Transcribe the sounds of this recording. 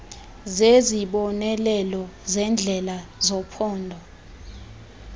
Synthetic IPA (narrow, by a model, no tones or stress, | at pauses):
zeziɓɔnɛlɛlɔzɛnd͡ɮʱɛlazɔpʰɔːndʱɔ